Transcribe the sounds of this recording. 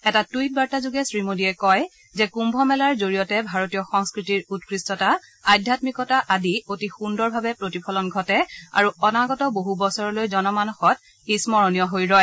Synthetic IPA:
ɛtatujt̚baɹtazuɡɛsɹimodiɛkɔj | zɛkumbʱɔmɛlaɹzoɹijɔtɛbʱaɹotijɔxɔŋskɹitiɹut̚kɹistɔta | ajdʱjatmikɔtaʔadiotixundɔɹbʱabɛpɹotipʰɔlɔnɡʱɔtɛa̰ɹuɔnaɡɔtɔboɦubɔsɔɹɔlojzɔnɔmanɔxɔt̚ | ismɔɹɔnijɔɦojɹɔj

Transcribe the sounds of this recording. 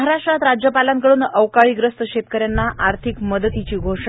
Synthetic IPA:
ɦaɾaʂʈɾat̪ɾad͡ʑjəpalãŋkəɽuːnəʋkaɭiːɡɾəst̪əɕet̪kəɾjanːaʔaɾt̪ʰikməd̪ət̪it͡ɕiːɡʱoʂ

